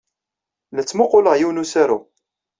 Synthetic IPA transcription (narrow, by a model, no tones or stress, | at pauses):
lət͡sːmʊqːʊləʁjiwnusaɾu